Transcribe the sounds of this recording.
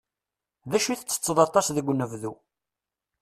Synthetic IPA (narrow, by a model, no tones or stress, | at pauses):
ðæʃuθət͡sːə̥t͡sːəðˤɑt̪ˤɑsðəɡʷːnːəvðu